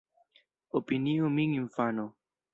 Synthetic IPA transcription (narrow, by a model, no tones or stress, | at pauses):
opiniumiŋiɱfano